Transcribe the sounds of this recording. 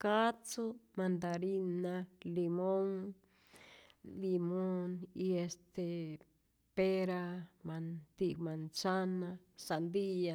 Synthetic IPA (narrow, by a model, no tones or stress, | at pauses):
kat͡somãnd̪aɾinãlimõŋ | limoniest̪e | peɾamãnt̪ikmãnt͡sanãsand̪ija